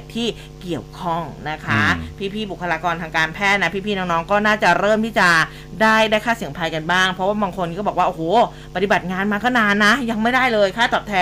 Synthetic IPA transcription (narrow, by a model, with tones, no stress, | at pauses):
t̪ʰiː˥˩ | ki˨˩əwkʰɔ˥˩ŋna˦˥kʰa˦˥pʰiː˥˩pʰiː˥˩bu˨˩kʰːa˧laː˧kɔː˧nt̪ʰaː˧ŋkaː˧npʰɛː˥˩na˦˥pʰiː˥˩pʰiː˥˩nɔː˦˥ŋnɔː˦˥ŋkɔː˥˩naː˥˩t͡ɕa˨˩ɾɤː˥˩mt̪ʰiː˥˩t͡ɕa˨˩ | daː˥˩jdaː˥˩jkʰaː˥˩si˨˩˦ŋpʰa˧jka˧nbaː˥˩ŋpʰɾɔ˦˥waː˥˩baː˧ŋkʰo˧nkɔ˥˩bɔː˨˩k̚waː˥˩ʔːhoː˨˩˦ | pa˧˩t̪i˨˩ba˨˩t̪̚ŋaː˧nmaː˧kɔː˥˩naː˧nːa˦˥ja˧ŋma˥˩jdaː˥˩jlɤː˧jkʰaː˥˩t̪ɔː˨˩p̚t̪ʰɛː˧